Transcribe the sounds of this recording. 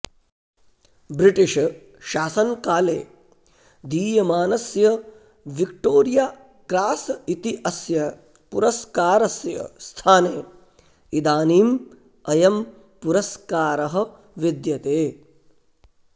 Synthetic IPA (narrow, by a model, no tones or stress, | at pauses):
bɾiʈiʃ | ʃaːsɐnkaːleː | d̪iːjɐmaːnɐsjɐ | ʋik̚ʈoːɾjaː | kɾaːsɐit̪iʔɐsjɐ | puɾɐskaːɾɐsjɐ̰st̪ʰaːneː | id̪aːniːm | ɐjɐm | puɾɐskaːɾɐɦɐ̆ | ʋid̪jɐt̪eː